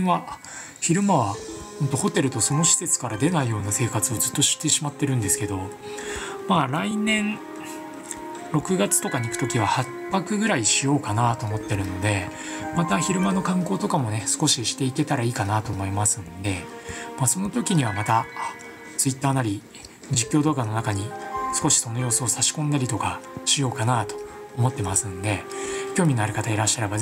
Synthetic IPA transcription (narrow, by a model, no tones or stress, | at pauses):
βa | çiɾɯ̟maβa | hont̪oho̞t̪e̞ɾɯ̟t̪o̞so̞no̞ɕi̥se̞t͡sɨ̥kaɾad̪e̞naijo̞ːnase̞ːkat͡sɨo̞zɨt̪ːo̞ɕi̥t̪ːe̞ɕimat̪ːe̞ɾɯ̟̃nd̪e̞sɨ̥ke̞d̪o̞ | maːɾainẽ̞ɴ | ɾo̞kɯ̟ɡat͡sɨ̥t̪o̞kaɲ̟ikɯ̟̥t̪o̞kʲiβ̞ahappːakɯ̟ɡɯ̟ɾaiɕijo̞ːkanat̪o̞ːmo̞t̪ːe̞ɾɯ̟no̞d̪e̞mat̪açiɾɯ̟mano̞kãŋko̞ːt̪o̞kamo̞ne̞sɨ̥ko̞ɕiɕi̥t̪e̞ike̞t̪aɾaiːkanat̪o̞ːmo̞imasɨ̃nd̪e̞ | maso̞no̞t̪o̞kʲiɲ̟iβ̞amat̪a | t͡sɨit̪ːaːnaɾʲi | d͡ʑikʲːo̞ːd̪o̞ːɡano̞nakaɲ̟isɨ̥ko̞ɕi̥so̞no̞jo̞ːsoːsaɕi̥kõnd̪aɾʲit̪o̞kaɕijo̞ːkanat̪o̞̥ | omo̞t̪ːe̞masɨ̃nd̪e̞kʲo̞ːmʲino̞aɾikat̪aiɾaɕːaɾe̞ba